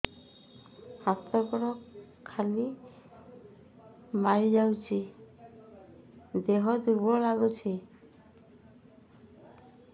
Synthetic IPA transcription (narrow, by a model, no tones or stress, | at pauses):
hast̪ɔɾkɔɾɔkʰː | ali | maɹid͡ʒawt͡ʃʰi | d̪eɦɔd̪ubɔlaɡut͡ʃʰi